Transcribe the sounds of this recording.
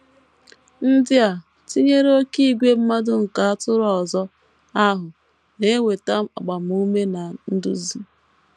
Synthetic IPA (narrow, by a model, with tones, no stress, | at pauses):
n̩˦dɪ˦a˨ | ti˦ɲe˦ɾo˦ki˦i˦˨ɡʷe˦m̩˦ma˦dʊ˦ŋ̩˨ka˨a˦tʊ˦ɾɔ˨ɔ˨zɔ˦ | a˦ɦʊ˨ | ne˦wʷe˨ta˦m̩˦a̰˨ɡ͡ba˨m̩˨u˦me˦na˨n̩˦dṵ˦zi˦